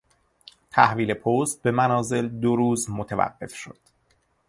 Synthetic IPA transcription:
t̪ʰæhviːle̞pʰost̪̚be̞mænɒːze̞ld̪oɾuːzmot̪ʰevæ̰ɢːe̞̰fʃo̞̰d̪̥

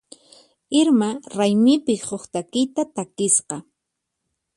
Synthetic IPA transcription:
ɪɾmaɾajmɪpɪhoχt̪akɪjt̪at̪akɪsqɑ

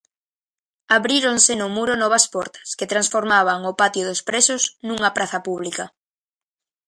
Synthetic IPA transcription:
aβɾiɾonsenʊmuɾonɔβ̞ɐspɔɾt̪ɐ̥sket̪ɾansfoɾmaβ̞aŋʊpat̪joðospɾesosnuŋapɾaθɐpuβlikɐ

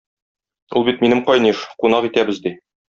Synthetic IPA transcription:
ṵlˠbit̪minɘmqɒjniʃqunɑqit̪æbɘzd̪i

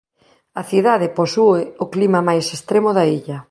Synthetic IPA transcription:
ɐθiðaðɪposuɪʊklimɐmajsest̪ɾemoðaiʎɐ

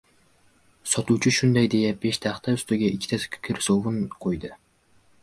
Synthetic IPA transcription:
sɒt̪ut͡ʃʰiʃund̪ɛjd̪ejɛp̚beʃt̪ʰæχt̪ʰɛust̪ʊɡʲɛikʲʰi̥t̪ʰɛskʲʰkʲʰɪɾsovunqʰojd̪ɨ

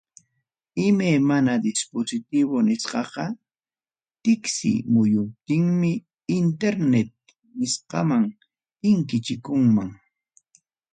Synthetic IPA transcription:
ɪmajmanad̪ɪsposɪt̪ɪβʊnɪsqɑqɑ | t̪ɪksɪ̰mʊjʊp̚t̪ɪŋmɪː | nt̪eɾnet̪̚ | nɪsqɑ̰maŋ | t̪ɪŋkɪt͡ʃɪkʊŋmaŋ

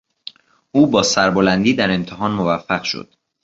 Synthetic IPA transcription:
ʔuːbɒːsæɾbolænd̪iːd̪æɾe̞mt̪ʰeɦɒːnmo̞væfːæɣʃo̰d̪̥

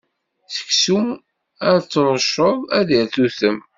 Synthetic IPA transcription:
θə̥ksum | æɾt͡sːɾˤʃoðˤæðiɾθuθəm

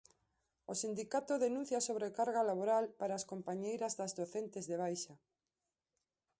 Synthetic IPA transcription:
osind̪ikat̪oðenũnθjaːsoβ̞ɾekaɾɣalaβoɾalpaɾaːskompaɲejɾɐzðazðoθent̪ezðeβ̞ajʃa

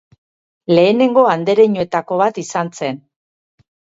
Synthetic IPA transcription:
le̞ːne̞ŋɡo̞and̪e̞ɾe̞ɲoe̞t̪ako̞β̞at̪isanse̞n

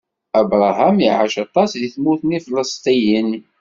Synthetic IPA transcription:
æbɾˤɑɦæmiʕaʃɑt̪ˤɑsðiθmuθnifləst̪ˤijən

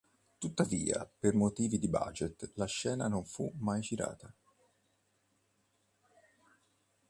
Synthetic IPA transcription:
t̪ut̪ːavḭːa̰permot̪iːvid̪iba̰d͡ʒet̪laʃːɛːnanoɱfumajd͡ʒiɾa̰ːt̪a

